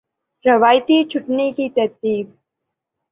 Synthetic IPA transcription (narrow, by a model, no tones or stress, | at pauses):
ɾɐʋaːjt̪it͡ʃʰʊʈnekit̪ɐɾt̪iːb̚